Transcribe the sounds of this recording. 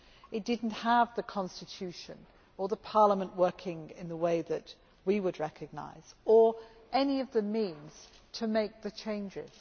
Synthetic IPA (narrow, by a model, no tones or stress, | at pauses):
ɨt̚d̥ɪdⁿn̩thəvðɨkʰɑ̃nstɨtʰʉʃɨ̰̃n | ə˞ðəpʰɑɹləmə̃nʔwɜ˞kʰɪ̃ŋɪ̰̃nðəweɪðɨʔ | wiwəd̚ɹɛkɨɡ̚na̰ɪz̥ə˞ʔɛniʌvðɨmĩnz̥ | tʰəmeɪk̚ðɨt͡ʃʰẽɪ̃nd͡ʒɪ̰z̥